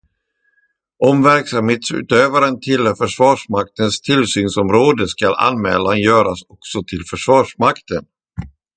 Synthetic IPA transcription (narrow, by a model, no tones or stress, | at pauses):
ʔɔmvæɾksamheːt̪sʉ̰ːt̪øːvaɾənt̪ʰɪlːfœʂvɑːʂmak̚t̪ənst̪ʰɪlsyːnsɔmɾoːd̪əskalʔa̰nmɛ̰ːlanjœːɾasɔksɔt̪ʰɪlfœʂvɑːʂmakt̪ən